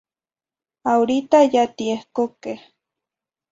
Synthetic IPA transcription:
awɾit̪ajat̪iehkoke

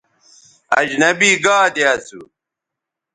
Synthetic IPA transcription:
ɐ̰d͡ʑnɐbiːɡaːd̪jaːt͡sṵ

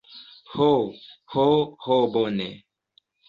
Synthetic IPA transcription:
hohohobonɛ̰

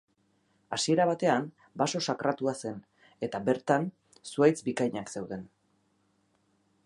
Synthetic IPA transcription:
asie̞ɾaβ̞at̪e̞am | baso̞sakɾat̪uase̞n | e̞t̪abe̞ɾt̪an | suajt͡sbikajɲakse̞wðe̞n

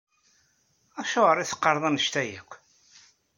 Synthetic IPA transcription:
æʃoʁəɾˤiθə̥qːəɾˤðˤɑnəʃt̪æjækʷː

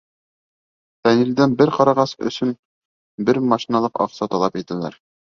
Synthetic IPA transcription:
t̪ænild̪ænbɘɾqɑɾɑʁɑsɵ̰̆sɵn | bɘɾmɑʃinɑlˠɤqɒ̰qsɑt̪ɒlˠɑpjit̪ælæ̰ɾ

